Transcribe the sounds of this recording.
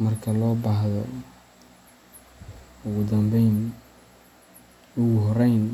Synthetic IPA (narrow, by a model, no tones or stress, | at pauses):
mɐrkʰɐlɔːbaɦðɔ̰ | ʊɣʊd̪ɐmbɛjn | ʊɣʊɦɔɾɛjn